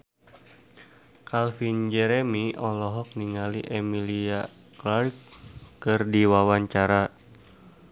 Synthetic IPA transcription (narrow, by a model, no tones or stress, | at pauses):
kalfind͡ʒɛɾɛmiɔlɔɦɔk̚niŋaliʔɛmilia | klarkːɨrdiwawaɲt͡ʃaɾa